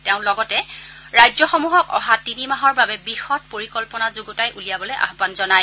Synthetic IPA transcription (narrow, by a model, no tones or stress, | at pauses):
tɛʊ̃lɔɡɔtɛ | ɹajzɔxɔmuɦɔkɔ̰ɦatinimaɦɔɹbabɛbixɔt̚poɹikɔlpɔnazoɡutajʔulijabɔlɔjʔa̰xbanzɔnaj